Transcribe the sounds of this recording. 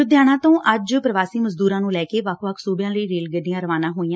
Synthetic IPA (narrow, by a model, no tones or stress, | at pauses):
ʊd̪jaːɽ̃ãːt̪õːʔəd͡ʒpɾəʋaːsiːməzd̪uːɾãːnũːlɛːkeːʋəkʰʋəkʰsuːbjãːləiːɾeːlɡəɖijãːɾəʋaːnãːɦoːĩːãː